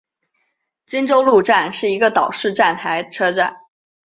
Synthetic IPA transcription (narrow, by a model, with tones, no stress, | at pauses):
t͡ɕi˥ŋʈ͡ʂo˥ʊlu˥˧ʈ͡ʂa˥˩nʂɻ̩˥˩i˧˥ɡə˧t̪ɑ˨˩ʊʂɻ̩˥˧ʈ͡ʂa˥˩nt̪ʰa˧˥ɪʈ͡ʂʰɤ˥ʈ͡ʂa̰˥˩n